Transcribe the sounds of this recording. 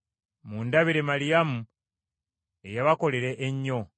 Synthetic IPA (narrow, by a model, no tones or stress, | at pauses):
mundaβiɾe̞malijamu | ejaβako̞leɾeʔːɲːo̞